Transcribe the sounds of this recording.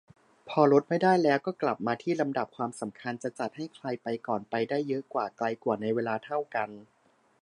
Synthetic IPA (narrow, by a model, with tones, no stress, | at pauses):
pʰɔː˧lo˦˥t̪̚ma˥˩jdaː˥˩jlɛː˦˥wkɔː˥˩kla˨˩p̚maː˧t̪ʰiː˥˩la˧mda˨˩p̚kʰwaː˧msa˩˦mkʰa˧nt͡ɕa˨˩t͡ɕa˨˩t̪̚ha˥˩jkʰla˧jpa˧jkɔː˨˩npa˧jdaː˥˩jːɤ˦˥ʔkwaː˨˩kla˧jkwaː˨˩na˧jweː˧laː˧t̪ʰa˥˩wka˧n